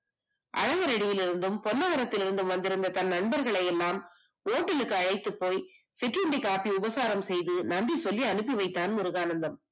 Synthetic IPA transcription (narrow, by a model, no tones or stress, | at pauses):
ʔɐɻɐɣɐɾɐɽɪjɪlɪɾɯnd̪ɯmpɔnːɐɣɐɾɐt̪ːɪlɪɾɯnd̪ɯmʋɐnd̪ɪɾɯnd̪ɐt̪ɐnnɐɳbɐɾɣɐɭɐjɛlːaːm | oːʈːɪlɯkːɯɐɻɐɪt̪ːɯpːoːjsɪʈrɯɳɖikaːpiʊbɐsaːɾɐmsɛjðɯnɐɳɖisɔlːiɐnɯp̬ːiʋɐɪt̪ːaːnʊɾɯɣaːnɐnd̪ɐm